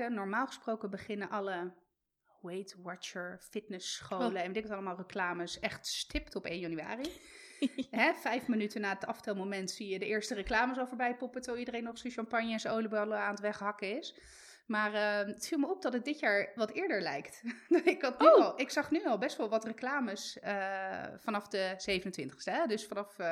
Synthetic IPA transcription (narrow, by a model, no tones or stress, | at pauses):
ənɔɹmaːlˠχə̥sprowkəbəχɪnənʔɑlə | wejtwɑt͡ʃəɹfɪtnəsχowləɛnʋdɪkətɑləmaːlˠrəklaːməsɛχtstɪptɔpejnjɑnya̰ːri | ɦɛfɛjfmənytənaːdɑtɑftɛlˠmomɛntsijədəʔɪːɹstərəklaːməsɑlˠfɔːɹbɛjpɔpətoidərejnːɔχsoʃɑmpɑnjəɛnsəowlibɑlˠəaːnətʋɛχɦɑkəɪs | maːrəətfilˠməɔp̚dɑtət̚dɪtjaːɹʋɑtɪːɹdəɹlɛjktdɪkɑtlˠɪksɑχnyɑlˠbɛstʋɑlˠʋɑtrəklaːməsəfɑnɑfdəz̥ejvənəntʋɪntə̥χstəɛdɵsfɑnɑf